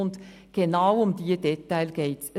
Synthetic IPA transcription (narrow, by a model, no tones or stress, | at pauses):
ʊnd | ɡ̥enaʊʊmdiːdɛtaɪlɡ̥eːts